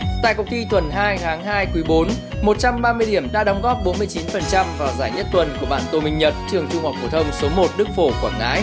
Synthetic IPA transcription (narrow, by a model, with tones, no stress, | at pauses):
t̪a̰ː˧˨kʊ˨˩k͡p̚t̪i˧t̪wə˨˩nɦaː˧jt̪ʰaː˨˦ŋɦaː˧jkwi˨˦ɓo˨˦n | mo˨˩t̚t͡ɕa˧mɓaː˧mɨ˧əjɗi˧˩əmɗa̰ː˧˥ɗɔ˨˦wŋ͡mɣɔ˦˥p̚ɓo˨˦nmɨ˧əjt͡ɕi˨˦nfə˨˩nt͡ɕa˧mvaː˨˩wzaː˧˩jɲə˦˥t̚t̪wə˨˩nku˧˩əɓa̰ː˧˨nt̪o˧˩mï˧ŋ̟ɲə˨˩t̚t͡ɕɨ˨˩əŋt͡ɕʊ˧ŋ͡mha˨˩wk͡p̚fu˧˩t̪ʰə˧wŋ͡mso˨˦mo˨˩t̚ɗɨ˦˥k̚fo˧˩kwaː˧˩nŋa̰ː˨˦j